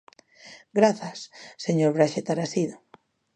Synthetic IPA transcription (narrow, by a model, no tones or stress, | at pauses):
ɡɾaθasːeɲoɾβɾaʃet̪aɾasiðo